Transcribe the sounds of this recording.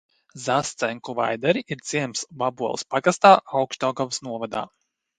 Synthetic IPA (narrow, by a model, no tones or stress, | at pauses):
zast̪sɛŋkuva̰jd̪ɛɾiiɾz̥ʲiɛmsvabuɔlˠspaɡast̪aːawkʃt̪ɔːɡavsnuɔvad̪a̰ː